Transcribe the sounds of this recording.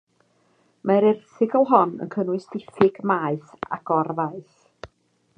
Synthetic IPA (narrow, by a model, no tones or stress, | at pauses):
maɾɪrθɪɡɔlˠɦɔnə̰nkʰənwɨsdɪfɪɡmaːɨθa̰ɡɔrvaɨθ